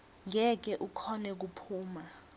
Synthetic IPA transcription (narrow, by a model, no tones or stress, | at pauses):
ŋɛk̬ɛʔukʰɔnɛk̬upʰuːma